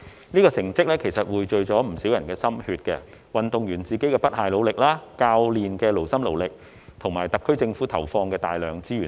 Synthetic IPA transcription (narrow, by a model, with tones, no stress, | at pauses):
niː˥kɔː˧sɪ˨˩ŋt͡sɪ˥k̚lɛː˥kʰe˨˩jsɐ˨t̚wuː˨˧jt͡ʃɵ˨ɥt͡sɔː˨˥m̩˨˩siː˨˥wjɐ˨˩nkɛː˧sɐ˥mhyː˧t̚kɛ̰ː˧ | wɐ˨nt̪ʊ˨ŋjyː˨˩nt͡siː˨ke˨˥jkɛː˧pɐ˥t̚haː˨˩jlo˨˧wlɪ˨k̚laː˥kaː˧wliː˨nkɛː˧lo˨˩wsɐ˥mlo̰˨˩wlɪ˨k̚ | t̪ʰʊ˨˩ŋmaː˨˩jt̪ɐ˨˩p̚kʰɵ˥ɥt͡sɪ˧ŋfuː˨˥t̪ʰɐ˨˩wfɔː˧ŋkɛː˧t̪aː˨jlœː˨ŋt͡siː˥jyː˨˩